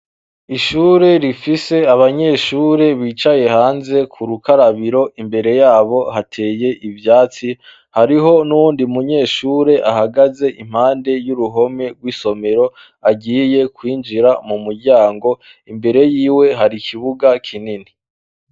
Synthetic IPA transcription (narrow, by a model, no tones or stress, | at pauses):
iʃuːɾe̞ɾifise̞aβaɲe̞ːʃuːɾe̞βiːt͡ʃaje̞haːnze̞kʰuɾukaɾaβiɾo̞ʔimbe̞ɾe̞jaːβo̞hatʰe̞ːje̞ʔivjaːt͡si | haɾiɦo̞nuwuːndiumuɲe̞ːʃuːɾe̞ʔahaɡaze̞ʔim̥haːnde̞juɾuɦo̞me̞ɡwiːso̞me̞ɾo̞ | aɟiːje̞kwiːnd͡ʒiɾamumuɾɟaːŋɡo̞ | imbe̞ɾe̞jiːwe̞ɦaɾikʰiβuɡakʰinini